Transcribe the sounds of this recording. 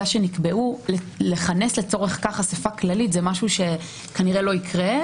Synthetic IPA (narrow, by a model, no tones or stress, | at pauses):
aʃe̞nikbeʔule | leχane̞sle̞t͡so̞ʁeχkaχasafaklalit̪zemaʃuʃe̞ | kaniʁelo̞ikʰʁe